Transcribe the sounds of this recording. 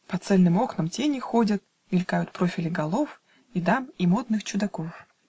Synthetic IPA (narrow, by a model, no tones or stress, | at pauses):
pɐt̪sɛlʲnɨmoknəmtʲenʲɪxodʲət̪̚ | ɪlʲkajʊt̪pɾo̞fʲɪlʲɪɡɐlˠof | id̪amimod̪nɨxt͡ɕʊd̪ɐkof